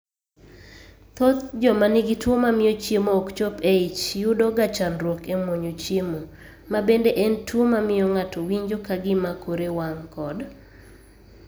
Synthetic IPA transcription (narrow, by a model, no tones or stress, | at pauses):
t̪ot̪d͡ʒɔmanɪɡɪtwomamɪjɔt͡ʃjemoːkt͡ʃopeit͡ʃjudɔɡat͡ʃanɾwokemwoɲot͡ʃjemo | mabendeʔɛntwomamɪjɔŋatowiɲd͡ʒokaɡɪmakoɾewaŋkɔd